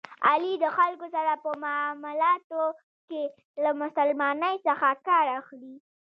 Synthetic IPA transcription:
a̰lid̪əxalkosaɾapəmʊmʊlɑt̪o | ke | lamʊsalmɑnəjsəxakɑɾaxli

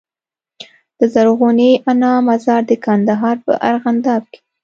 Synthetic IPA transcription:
d̪̥əzaɾɣuneʔanɑmazɑɾd̪əkand̪aɦɑɾpə̰ʔaɾɣand̪ɑb̚ke̥

